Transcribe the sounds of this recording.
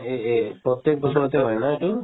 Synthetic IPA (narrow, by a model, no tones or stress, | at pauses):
epɔt̪jek̚bʱɔsɔɾɔt̪eɦɔjnaeʈu